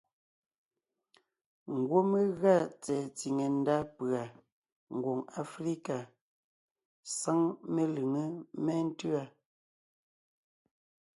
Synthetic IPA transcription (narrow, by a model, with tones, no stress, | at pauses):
ŋ̩˨ɡwo˦me˦ɣa˦˨t͡sɛ˨t͡si˨ŋe˨n̩˦da˦pɰa˨ | ŋ̩˨ɡwo˨ŋa˨fɾi˦ka˨ | sa˦ŋme˦lɨ˨ŋə˦mɛ˦n̩˦tʉ˦a˦˨